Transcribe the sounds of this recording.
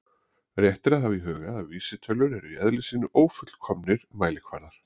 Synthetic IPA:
rjɛht̪ɪɾaðhaviɦœːɣaðaviːsɪt̪ʰœlːʏɾɛɾʏɛðlɪsiːnʏʔoːwfʏt̪lkʰɔmnɪɾ̥maːjlɪkʰva̰ɾðaɾ̥

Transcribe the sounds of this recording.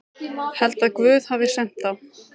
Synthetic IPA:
hɛlt̪aðkvʏːðhavɪsɛn̥t̪θa

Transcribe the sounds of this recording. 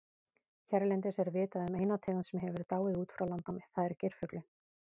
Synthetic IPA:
çɛɾlɛnt̪ɪsɛɾvɪːt̪aðʏmeːjnat̪ʰɛːɣansɛmɦɛvɪɾt̪aːwɪuːt̪fɾawlant̪amθaðɛɾcejɾ̥fœklʏ

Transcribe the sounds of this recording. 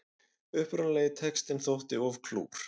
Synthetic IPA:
ʏhpɾʏnlɛjɣɪt̪ʰɛkst̪ɪnθowht̪ɪɔvkʰlṵːɾ̥

